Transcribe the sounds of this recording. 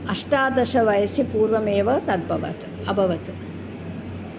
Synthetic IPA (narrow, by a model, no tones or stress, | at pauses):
ɐʂʈaːd̪ɐʃɐʋɐjɐsipuːɾʋɐmeːʋɐt̪ɐd̪̚bʱɐʋɐ̰t̪ | ɐbʱɐʋɐt̪